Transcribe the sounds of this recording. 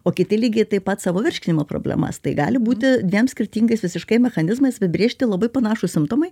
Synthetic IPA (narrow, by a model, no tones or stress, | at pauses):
oːkʲɪt̪ʲɪlʲiːɡʲeɪt̪ɐɪpɐt̪sɑːʋoːʋʲɪrʲʃʲkʲɪnʲɪmoːpɾo̰blʲɛ̰mɐ̰st̪ɐɪɡɑ̰ːlʲɪbuːt̪ʲɪd̪ʲʋʲiɛmsʲkʲɪrʲt̪ʲiːŋɡɐɪsʋʲɪsʲɪʃkɐɪmʲɛxɐnʲɪzmɐɪsɐbʲɪbʲɾʲeːʃʲt̪ʲɪlˠɐbɐɪpɐnɑːʃusʲɪmt̪oːmɐɪ